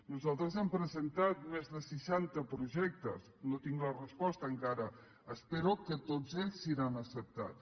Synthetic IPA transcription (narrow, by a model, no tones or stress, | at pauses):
nuzalˠt̪ɾəzɛmpɾəzənt̪at̪̚mezðəsəʃant̪əpɾuʒɛk̚t̪ə̰snot̪iŋɡlərəspɔst̪əːŋkaɾə | əspeɾukət̪od͡zeʎsːiɾanəsəp̚t̪a̰t̪